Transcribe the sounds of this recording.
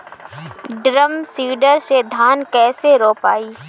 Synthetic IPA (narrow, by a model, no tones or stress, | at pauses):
ɖɾəmsiːɖəɾsed̪ʱaːnkɛːseɾoːpaːiː